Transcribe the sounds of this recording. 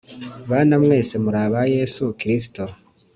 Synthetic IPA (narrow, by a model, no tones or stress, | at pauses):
βaːnamwe̞ːse̞muɾaːβaje̞sukiɾis̬i̥to